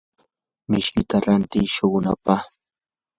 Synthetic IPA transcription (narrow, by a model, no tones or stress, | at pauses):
mɪʃkɪt̪aɾant̪ɪʃoɢʊna̰pa